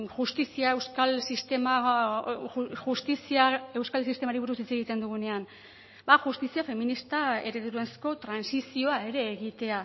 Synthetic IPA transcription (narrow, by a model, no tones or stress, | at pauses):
ʝust̪isiaewskalsist̪ema | ʝust̪isiae̞wskalsist̪e̞maɾiβuɾusit͡se̞ɣ̞it̪e̞nd̪uɣune̞an | baxust̪isiafe̞minist̪ae̞ɾe̞ðuɾuensko̞t̪ɾansisio̞ae̞ɾe̞ːɣit̪e̞a